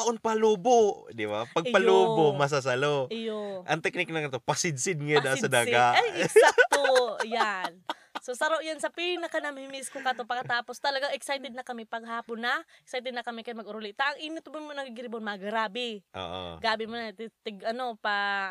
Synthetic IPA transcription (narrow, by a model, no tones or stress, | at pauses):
pɐʔonpaluːbod̪ɪbapɐɡ̚pɐloːbomɐs̬as̬ɐlojoʔɐŋt̪ɛk̚nɪk̚nɐkɐnt̪opɐsɪd̪̚sɪd̪̚ŋɐjad̪ɐd̪aɡaajat̪ojan | sosɐɾoʔjansɐpinɐkanamɪmiskokɐt̪opɐkːɐt̪aːpost̪ɐlɐɡaŋɛksajt̪ɛd̪̚nɐkɐmɪpɐɡ̚ɦaːpʊnːaʔɛksajt̪ɛd̪̚nɐkɐmɪkɐjmɐɡʊɾʊlɪʔt̪aʔɐŋʔiːnɪt̪ʊmanmonɐɡɡɪɾɪbonmaɡɾaːbɪʔo̰ʔo̰ɡaːbɪmʊnat̪t̪ɪɡʔɐno̞pa